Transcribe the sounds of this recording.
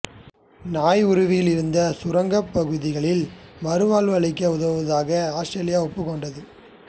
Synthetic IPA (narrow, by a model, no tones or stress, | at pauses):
naːjʊɾɯʋɪjɪlɪɾɯnd̪ɐsʊɾɐŋɡɐpːɐɣɯðɪɣɐɭɪlmɐɾɯʋaːlʋɐɭɪkːɐʊðɐʋɯʋɐðaːɣɐaːsʈɾɐːlɪjaːɔpːɯkːɔɳɖɐðɯ